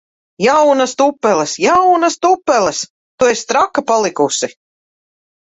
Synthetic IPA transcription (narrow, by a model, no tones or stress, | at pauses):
jawnast̪upːɛlˠɛsjawnast̪upːɛlɛs | t̪uest̪ɾakːapalˠikusi